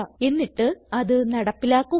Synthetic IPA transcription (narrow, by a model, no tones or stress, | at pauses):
ɐe̞nːiʈːɨɐðɨnɐɽɐpːilaːkːu